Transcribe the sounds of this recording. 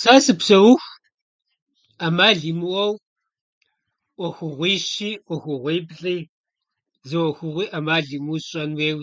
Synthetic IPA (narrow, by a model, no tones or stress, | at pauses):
saːsɨpsɐwʊx | amaːɮimuwɐw | ʔʷɐxʷʊʁʷiːʃiːʔʷɔxʷʊʁʷiːbɮʼiː | zɨwɐxʷʊʁʷiːʔamaːɮimuɕʼɐnweːw